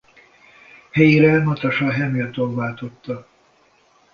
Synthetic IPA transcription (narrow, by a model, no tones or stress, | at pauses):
hɛjiɾɛnɒt̪ɒʃɒɦɛmilt̪oːlvaːlt̪o̞t̪ːɒ